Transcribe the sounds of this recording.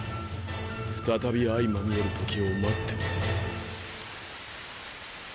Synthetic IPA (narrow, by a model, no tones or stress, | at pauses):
ɸɯ̟̥t̪at̪abʲiaimamʲioɾɯ̟t̪ʰo̞kʲiomat̪ʰːemasɨ̥